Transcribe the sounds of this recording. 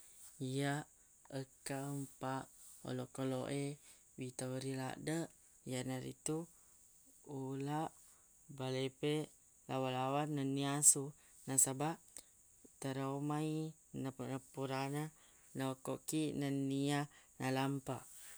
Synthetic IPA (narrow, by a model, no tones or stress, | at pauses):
ijaʔ | əkampaʔo̰lokolo̰ʔe | wit̪aɾila̰ʔdəʔ | jaʔnaɾḭt̪u | ulaʔ | balepe | lawalawanːənːiasu | nasabaʔ | t̪əɾamai | nanapuɾana | naokoʔkinənianalampaʔ